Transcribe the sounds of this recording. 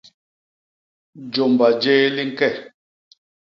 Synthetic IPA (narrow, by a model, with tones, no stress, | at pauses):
d͡ʒo˨mba˨d͡ʒeː˦li˦ŋ̩˦kɛ˦˨